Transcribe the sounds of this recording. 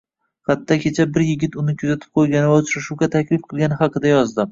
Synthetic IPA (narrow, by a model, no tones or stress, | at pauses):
χat̪ʰːakʲʰe̞t͡ʃʰabɪɾjɪɡʲɪt̪ʊnɪkʲʰʊzat̪ʰɪ̥p̚qʰojɡʲanɪvaʊt͡ʃɾaʃuwɡʲat̪ʰakʲlɪfqʰɨlˠɡʲanɪχɑqɨd̪ajɒzd̪ɪ